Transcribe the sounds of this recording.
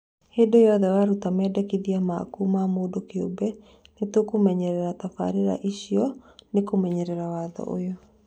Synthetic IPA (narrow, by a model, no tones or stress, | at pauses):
heːdojɔðɛwaɾutamɛdɛkiðiama̰kumamoːdokeo̰bɛ | netokomɛɲɛɾɛɾatafa̰ɾeɾa̰ʔiɕiɔnekomɛɲɛɾɛɾawaːðɔ̰ʔo̰jɔ